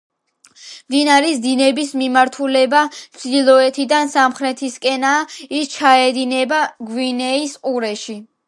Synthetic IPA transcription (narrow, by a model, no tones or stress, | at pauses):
vinaɾisd̪inɛbismimaɾt̪ʰulɛbasd̪ilˠɔɛt̪ʰid̪ansamχɾɛt̪ʰiskʼɛnaist͡ʃʰaɛd̪inɛbaɡwinɛisqʼuɾɛʃi